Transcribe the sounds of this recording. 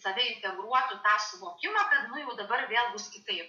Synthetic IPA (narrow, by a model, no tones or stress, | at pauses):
sɐʋʲɛɪnʲt̪ʲɛɡɾuɔt̪ʊt̪ɑːsʊʋoːkʲɪmɐkɐt̪nʊjɛʊd̪ɐbɐɾʋʲeːlˠbʊskʲɪt̪ɐɪp